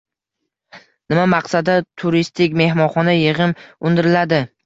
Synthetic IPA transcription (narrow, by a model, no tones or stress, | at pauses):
nɪmamɑqsad̪at̪ʰʊɾist̪ʰɪkʲme̞hmɒnχɒnajɪʁɨmʊnd̪ɪɾɪlad̪ɪ